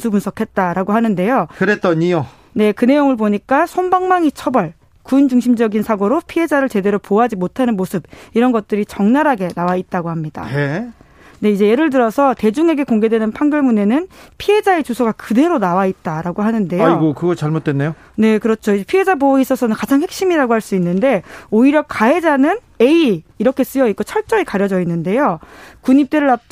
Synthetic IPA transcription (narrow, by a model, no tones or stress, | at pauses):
sʰubɯnsʰʌkʰe̞t̚t͈aɾaɡoɦanɯnde̞jokɯɾet͈ʌɲio | ne̞kɯne̞joŋɯɭboɲik͈asʰombaŋmaŋit͡ɕʰʌbʌɭ | kund͡ʑuŋɕʰimd͡ʑʌɡinsʰaɡoɾopʰiɦe̞d͡ʑaɾɯɭt͡ɕe̞de̞ɾopoɦad͡ʑimotʰanɯnmosʰɯb̚iɾʌnɡʌt̚t͈ɯɾit͡ɕʌŋnaɾɦaɡe̞nawait̚t͈aɡohamɲida̰ | ne̞id͡ʑe̞je̞ɾɯɭt̬ɯɾʌsʰʌte̞d͡ʑuŋe̞ɡe̞koŋɡe̞dwe̞nɯnpʰaŋɡjʌɭmune̞nɯnpʰie̞d͡ʑae̞t͡ɕusʰoɡakɯde̞ɾonawait̚t͈aɾaɡoɦanɯnde̞joaiɡokɯɡʌt͡ɕaɭmot̚t͈wenːejo | ne̞kɯɾʌt͡ɕʰoid͡ʑepʰie̞d͡ʑabois͈ʌsʰʌnɯnkad͡ʑaŋɦe̞k̚ɕ͈imiɾaɡohaɭs͈uinːɯnde̞oiɾjʌkaɦe̞d͡ʑanɯn | e̞iːɾʌkʰe̞s͈ɯjʌik͈ot͡ɕʰʌɭt͡ɕ͈ʌɾekaɾjʌd͡ʑʌinːɯnde̞jokuɲip̚t͈eɾɯɭa